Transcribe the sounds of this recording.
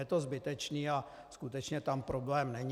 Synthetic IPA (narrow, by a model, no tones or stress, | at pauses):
ɛt̪o̞zbɪt̪ɛt͡ʃniːa | skut̪ɛt͡ʃɲɛt̪ampɾoblɛːmnɛɲ